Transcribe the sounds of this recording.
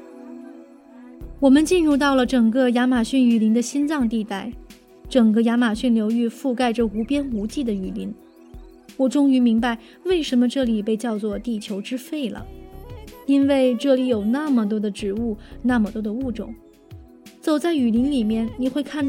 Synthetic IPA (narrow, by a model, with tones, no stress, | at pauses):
wɔ˨˩mə˧˦nt͡ɕi˥˧nɻu˥˧t̪̬ɑ˥˩ʊlə˩ʈ͡ʂɤ˨˩ŋkə˥˧ja˧˥ma˨˩ɕy˥˩ny˨˩li˧˥ŋd̪ə˧ɕi˥nt͡sɑ˥˧ŋt̪i˥˧t̪a˥˩ɪ | ʈ͡ʂɤ˨˩ŋkə˧ja˧˥ma˨˩ɕy˥˩nljo˧˥ʊy˥˧fu˥˧ka˥˧ɪʈ͡ʂə˩u˧˥pjɛ˥nu˧˥t͡ɕi˥˩d̪ə˩y˨˩li˧˥ŋ | wɔ˨˩ʈ͡ʂʊ˥ŋy˧˥mi˧˥ŋba˧ɪ | we˥˩ɪʂə˧˥nmə˧ʈ͡ʂɤ˥˩li˨˩pe˥˧ɪt͡ɕjɑ˥˧ʊt͡swɔ˥˧t̪i˥˩t͡ɕʰjo˧˥ʊʈ͡ʂɻ̩˥fe˥˩ɪlə̰˩ | i˥nwe˥˧ɪʈ͡ʂɤ˥˩li˨˧˥jo˨˩ʊna˥˩mə˩t̪wɔ˥d̪ə˧ʈ͡ʂɻ̩˨˩u˥˩na˥˩mə˨˩t̪wɔ˥d̪ə˧u˥˩ʈ͡ʂʊ̰˨˩˦ŋ | t͡so˨˩ʊt͡sa˥˩ɪy˨˩li˧˥ŋli˨˩mjɛ˥˩nni˨˩xwe˥˧ɪkʰa˥˧n